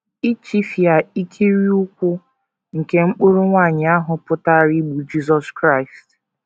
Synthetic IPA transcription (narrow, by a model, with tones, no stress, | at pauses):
i˦t͡ʃi˦fja˨i˦kʰi˦ɾi˦ʊ˦kʷʊ˦ | ŋ̩˨ke˦ŋ͡m̩˦k͡pu˦ɾu˦ŋʷa˦˨ɲɪ˨a˦ɦʊ˨pʊ˦ta˦˨ɾi˦ɡ͡bu˨d͡ʒi˦zɔ˦skɾa˦ɪ˨st